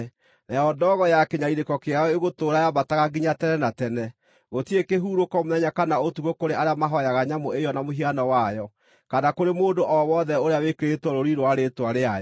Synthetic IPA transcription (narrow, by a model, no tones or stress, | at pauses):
najɔdɔːɣɔjakeɲaiɾekɔkeaɔeɣotoɾajabataɣaɡiɲatɛnɛnatɛnɛ | ɣotiekeɦuːɾokɔmoðɛɲakanaotuɣokoɾeʔaɾeamaɦɔjaɣaɲamoejɔnamoɦianɔwajɔ | kanakoɾemoːndoʔɔwɔðɛoɾeawekeɾetwɔɾoɾiɾwaɾetwaɾeajɔ